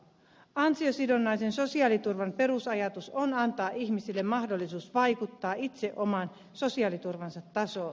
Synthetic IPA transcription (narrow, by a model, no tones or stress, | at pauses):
ɑnsiosidonːɑjsenso̞siɑːlit̪urʋɑmpe̞ɾusɑjɑt̪usonɑnt̪ɑːʔiçmisilːemmɑhdolːisuːsʋɑjkut̪ːɑːit̪se̞ʔomɑn | so̞siɑːlit̪urʋɑnsɑt̪ːɑso̞ː